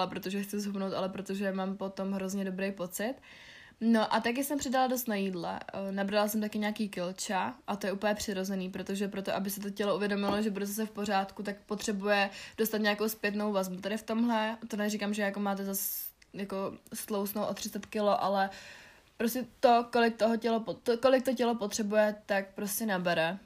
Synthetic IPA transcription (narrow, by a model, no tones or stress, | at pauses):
alɛpɾot̪oʒɛxt͡sɪzɦumnowt̪a̰lɛpɾo̞t̪oʒɛmaːmpo̞t̪o̞mɦɾo̞zɲɛdobɾejpo̞t͡sɪt̪ | no̞ʔat̪ak̬ɪsɛmpr̥ɪdalados̬t̪najiːdlɛ̰nabɾalasɛmt̪akɪɲaːkiːkɪlt͡ʃaʔat̪ojɛupl̩ɲɛpr̝̥ɪɾo̞zɛniːpɾo̞t̪o̞ʒɛpɾo̞t̪oʔabɪsɪt̪ocɛlo̞ʔuvjɛdo̞mɪloʒɛbudɛt̪ɛs̬ɛfpo̞r̝aːt̪kut̪ak̚pot̪r̝̥ɛbujɛdo̞st̪at̪ɲaːko̞wspjɛt̪no̞wvazbut̪adɪft̪o̞mɦlɛt̪odlɛrikamʒɛjakomaːt̪̬ɛzasjako̞st̪lowsnowʔo̞t̪r̝ɪt͡sɛt̪kɪlo̞ʔalɛ | pɾo̞scʲɛt̪o̞ko̞lɪk̚t̪oɦocɛlopot̪okolɪk̚t̪ocɛlo̞po̞t̪r̥ɛbujɛt̪ak̚pɾo̞scɛnabɛɾɛ